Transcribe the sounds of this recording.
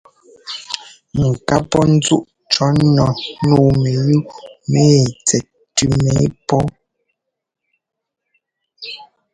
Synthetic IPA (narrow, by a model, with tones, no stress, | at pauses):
ŋ̩˨ka˦pɔ˦n̩˦d͡zu˦ʔ | t͡ʃɔ˨˦nɔ˨nuː˦me˨ju˦me˦˨t͡sɛ˨t̚ | tʉ˦me˨˦pɔ˦